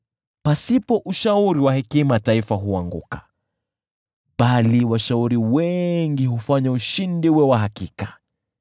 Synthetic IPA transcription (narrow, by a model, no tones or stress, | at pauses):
pasipɔʔuʃauɾiwahɛkimataifaɦuaŋɡṵkḁ | ɓaliwaʃauɾiwɛŋɡihufaɲauʃindiwɛwaɦakikḁ